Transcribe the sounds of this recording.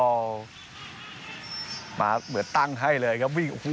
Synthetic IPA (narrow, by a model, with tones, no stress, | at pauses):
ma̰ː˧˩mɯ˨˩˦nt̪a˥˩ŋɦa˥˩jlɤː˧jkʰa˦˥wi˧˩ŋ˨ku˧